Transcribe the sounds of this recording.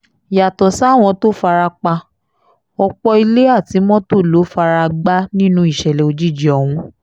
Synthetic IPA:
ja˨tɔ˨sa˨˦˨w̃ɔ̃˧to˦fa˧ɾa˧k͡pa˧ | ɔ˧k͡pɔ˧i˧le˦a˦˨ti˨˧˦mɔ̃˦to˦˨lo˨˦fa˧ɾa˧ɡ͡ba˦nĩ˦nũ˧˦i˦˨ʃɛ˨lɛ˨o˧d͡ʒi˦˨d͡ʒi˨ɔ˨w̃ũ˧˦

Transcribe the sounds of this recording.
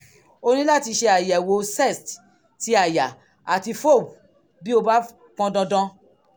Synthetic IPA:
o˦nĩ˦la˦˨ti˧ʃe˧a˨ja˨wo˧˦sɛ˦˨st | ti˦a˨ja˨ | a˨ti˧fo˦˨ | bi˦o˧ba˦ | kɔ̃˧dɔ̃˧dɔ̃˧

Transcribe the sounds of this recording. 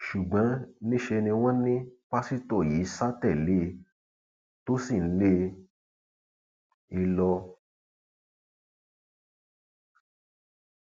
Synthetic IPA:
ʃu˨ɡ͡bã˨˦nĩ˦ʃe˧nĩ˧w̃ɔ̃˦nĩ˦k͡pa˦si˦tɔ˦˨ji˨˦sa˦tɛ˦˨le˦ | to˦si˦˨n̩˦le˦ | i˧lɔ˧

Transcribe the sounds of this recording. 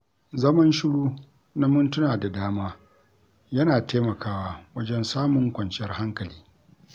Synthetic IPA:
zɐ˦mɐ˦nʃɪ˦ɽuː˦ | na˦mʊ˦ntʊ˦naː˨da˨daː˦maː˦ | jɐ˦naː˨teː˦mɐ˨kaː˦waː˦wɐ˦d͡ʒɛ˦nsaː˦mʊ˨ŋkʷɐ˨nt͡ʃɪ˦jɐ˦rha˦ŋkɐ˨liː˦

